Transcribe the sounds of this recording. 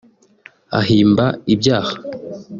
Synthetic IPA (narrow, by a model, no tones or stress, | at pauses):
a̰ɦiːmbaibɟaːhḁ